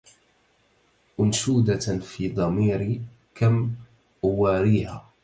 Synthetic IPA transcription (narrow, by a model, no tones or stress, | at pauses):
ʔʊnʃuːd̪afiːd̪ˤɑmiːɾ | kʰam | ʔʊwaːɾiːhaː